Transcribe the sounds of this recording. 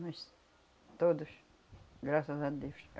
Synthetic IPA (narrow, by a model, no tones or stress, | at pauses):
mɐs | t̪od̪ʊʃ | ɡɾasɐzad̪ewʃ